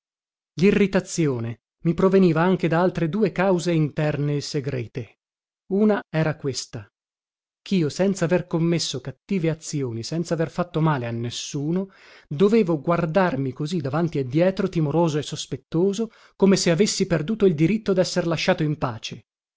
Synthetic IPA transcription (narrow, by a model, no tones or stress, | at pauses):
lirːit̪at̪sːjoːne | mipɾoveniːvaaŋk̟ed̪aalt̪ɾed̪uːekawzeint̪ɛrneːsːeɡɾɛ̰ːt̪e | uːnaɛːɾakwest̪a | kʰiːosɛnt̪saːverkomːesːokat̪ːiːveat̪sjoːnisɛnt̪saːverfat̪ːomaːleanːesːuːno | d̪oveːvoɡward̪armikozid̪avant̪ied̪ːjɛːt̪ɾot̪imoɾoːzoesːospet̪ːoːzo | komeseavesːiperd̪uːt̪oild̪iɾit̪ːod̪ɛsːerlaʃːaːt̪oimpaːt͡ʃe